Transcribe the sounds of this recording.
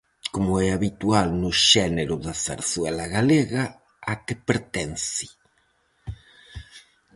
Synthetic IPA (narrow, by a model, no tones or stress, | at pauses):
komʊɛaβit̪ualnʊʃɛneɾʊðasa̰ɾswɛlaɣaleɣa | akepeɾt̪ɛnsi̥